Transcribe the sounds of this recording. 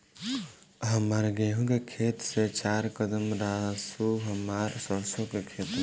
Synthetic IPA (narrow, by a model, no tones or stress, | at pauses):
ɦəmaɾɡeɦũkekʰeːt̪set͡ʃaːɾkəd̪əmɾasuɦəmaɾsəɾsokekʰet̪